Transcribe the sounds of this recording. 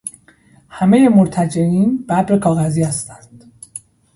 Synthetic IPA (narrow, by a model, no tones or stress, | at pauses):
hæme̞jemoɾt̪ʰæd͡ʒeiːnbæbɾekʰɒːɣæziːhæst̪ænd̪̥